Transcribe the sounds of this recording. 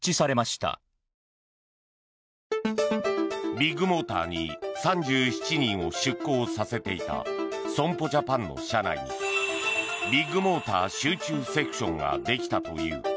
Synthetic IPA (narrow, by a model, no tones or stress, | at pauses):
t͡ɕisaɾe̞maɕi̥t̪a̰ | bʲiɡɯ̟mo̞ːt̪a̰ːɲ̟ḭsãɲd͡ʑɨːçi̥t͡ɕiɲ̟ĩɰ̃o̞ɕɨkːo̞ːsase̞t̪e̞it̪a̰sõ̞mpo̞d͡ʑapãnːo̞̰ɕana̰iɲḭ | bʲiɡɯ̟mo̞ːt̪aːɕɨːt͡ɕɨːse̞kɯ̟̥ɕõ̞̰ŋɡa̰d̪e̞kʲi̥t̪at̪o̞̰jɯ̰ː